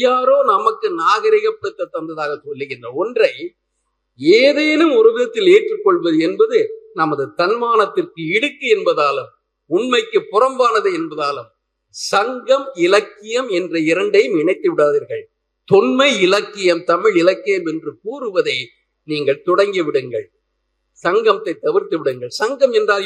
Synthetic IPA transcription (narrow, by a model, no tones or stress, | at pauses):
jaːɾoːnɐmɐkːɯnaːɣɐɾɪɣɐpːɐɽɯt̪ːɐt̪ːɐnd̪ɐðaːɣɐsɔlːɯɣɪndrɐɔndrɐɪ | eːðeːnɯmʊɾɐʋɪðɐt̪ːɪleːʈrɯkːɔɭʋɐðɯɛnbɐðɯnɐmɐðɯt̪ɐnmaːnɐt̪ːɪrkɯɪɽɯkːɯɛnbɐðaːlɯm | ʊnmɐɪkːɯpːʊrɐmbaːnɐðɯɛnbɐðaːlɯm | sɐŋɡɐmɪlɐkːɪjɐmɛndrɐɪɾɐɳɖɐjɯmɪɳɐɪt̪ːɯʋɪɽaːðiːɾɣɐɭ | t̪ɔnmɐɪɪlɐkːɪjɐmt̪ɐmɪɭɪlɐkːɪjɐmɛndrɯkuːrɯʋɐðɐɪ | niːŋɡɐɭt̪ɔɽɐŋɡiʋɪɽɯŋɡɐɭ | sɐŋɡɐmt̪ːɐɪt̪ːɐʋɪɾt̪ɯʋɪɽɯŋɡɐɭsɐŋɡɐmɛndraːl